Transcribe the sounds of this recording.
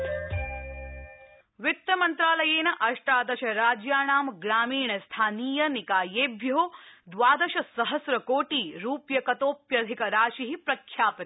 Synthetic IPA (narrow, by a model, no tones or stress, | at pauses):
ʋɪt̪ːɐmɐnt̪ɾaːlɐjeːnɐʔɐʂʈaːd̪ɐʃɐɾaːd͡ʒjaːɳaːmɡɾaːmiːɳɐst̪ʰaːniːjɐnikaːjeːbʱjɐoːd̪ʋaːd̪ɐʃɐsɐɦɐsɾɐkoːʈiːɾuːpjɐkɐt̪oːpjɐd̪ʱikɐɾaːʃiɦipɾɐkʰjaːpɪt̪